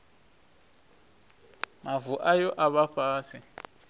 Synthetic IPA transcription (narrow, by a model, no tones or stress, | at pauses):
mavuʔajɔʔaɓaɸʰaːsʰi